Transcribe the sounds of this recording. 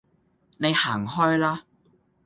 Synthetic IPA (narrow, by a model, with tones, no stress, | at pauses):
ne˨˧jhaː˨˩ŋɦɔː˥jlaː˥